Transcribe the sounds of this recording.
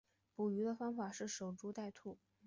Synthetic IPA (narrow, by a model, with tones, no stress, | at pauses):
pu˨˩y˧˥d̪ə˧fɑ˥ŋfa˨˩ʂɻ̩˥˩ʂo˨˩ʊʈ͡ʂu˧˥t̪a˥˧ɪt̪ʰu˥˩